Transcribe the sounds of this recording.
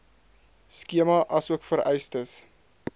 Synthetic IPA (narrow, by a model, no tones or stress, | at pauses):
skiəmɐʔɐsuəkfəɾɛjstəs